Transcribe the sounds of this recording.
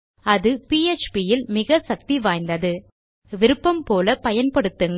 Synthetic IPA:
ɐðɯpiːet͡ʃpijɪlmɪɣɐsɐk̚t̪iʋaːjnd̪ɐðɯ | ʋɪɾɯpːɐmpoːlɐpɐjɐnpɐɽɯt̪ːɯŋɡ

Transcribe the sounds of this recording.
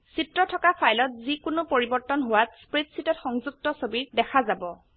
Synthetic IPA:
sitɹɔtʰɔkapʰajlɔt̚zikʊnʊpoɹibɔɹtɔnɦowatspɹetsitɔtxɔŋzuk̚tɔsobiɹdɛkʰazabɔ

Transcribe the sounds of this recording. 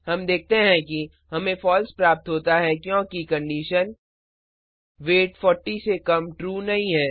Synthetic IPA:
ɦɐmd̪eːk̚t̪eɦɛ̃ki | ɦɐmẽfɔːlspɾaːp̚t̪ɦoːt̪aɦɛkjõːkikɐ̃ɳɖiːʃən | ʋeːʈfɔːɾʈːisekɐmʈɾuːnɐɦĩɦɛː

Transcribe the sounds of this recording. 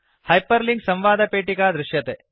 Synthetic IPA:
hɐjpɐɾliŋɡsɐ̃mʋaːd̪ɐpeːʈikaːd̪ɾɪʃjɐt̪e

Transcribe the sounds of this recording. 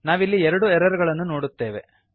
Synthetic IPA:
naːʋilːiɛɾɐɽuɛɾɐɾuɡɐɭɐnːuno̞ːɽut̪ːe̞ːʋe̞̰

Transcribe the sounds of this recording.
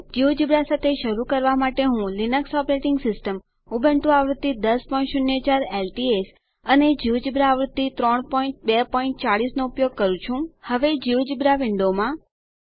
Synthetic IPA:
d͡ʒiʋd͡ʒibɾasat̪ʰeʃəɾukəɾʋamaʈeɦũlinəksɔpɾeʈɪŋɡsɪsʈəm | ubəɳʈũaʋɾut̪ːid̪əspɔĩɳʈʃunjəd͡ʒaɾelʈies | əned͡ʒiwd͡ʒibɾaːʋɾut̪ːit̪ɾɔɳpɔiɳʈ̚bepɔiɳʈ̚t͡ʃaɽisnoupjoɡ̚kəɾũt͡ʃʰũhəʋed͡ʒiʋd͡ʒibɾaʋɪɳɖomã

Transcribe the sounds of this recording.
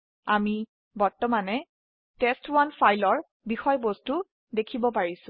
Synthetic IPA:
ami | bɔɹtɔmanɛ | tɛstwanfʰajlɔɹ | bixɔjbostu | dekʰibɔpaɹisʊ̃

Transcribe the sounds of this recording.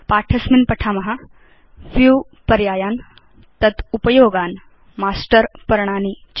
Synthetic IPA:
paːʈʰɐsminpɐʈʰaːmɐɦa | fjuː | pɐɾjaːjaːn | t̪ɐt̪upɐjoːɡaːn | maːsʈəɾpɐɾɳ̃aːnit͡ɕ

